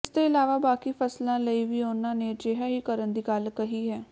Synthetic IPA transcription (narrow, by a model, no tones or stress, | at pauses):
st̪oːɪlaːʋaːbaːkiːpʰəslãːləiːʋiːʊnãːneːd͡ʒeɦaːɦiːkəɾənd̪iːɡəlkəɦiːɦɛː